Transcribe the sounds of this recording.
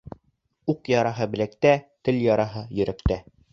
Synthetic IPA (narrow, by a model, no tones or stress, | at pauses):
uqjɑɾɑɦɤbɘ̆læk̚t̪æt̪ɘ̆ljɑɾɑɦɤjɵ̆ɾækt̪æ